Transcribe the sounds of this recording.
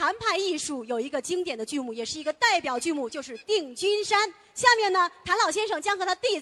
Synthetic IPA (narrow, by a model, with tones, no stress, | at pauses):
t̪ʰa˧˥npʰa˥˧ni˥˧ʂu˥˩jo˨˩ʊi˧˥ɡə˧t͡ɕi˥ŋt̪jɛ˨˩nd̪ə˦t͡ɕy˥˧mu˥˩jɛ˨˩ʂɻ̩˥˩i˧˥ɡə˧t̪a˥˩ɪpjɑ˨˩ʊt͡ɕy˥˧mu˥˩t͡ɕjo˥˧ʊʂ̬ɻ̩˥˧t̪i˥˩ŋt͡ɕy˥nʂa˥n | ɕja˥˧mjɛ˥˩nnə˩t̪ʰa˧˥nlɑ˨˩ʊɕjɛ˥nʂɤ˥˩ŋt͡ɕjɑ˥ŋxɤ˧˥t̪ʰa˥t̪i˥˩